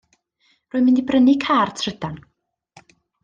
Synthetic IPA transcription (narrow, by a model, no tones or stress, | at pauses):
rʊːɨmɪndibrənikʰaːrtʰr̥ɪd̥an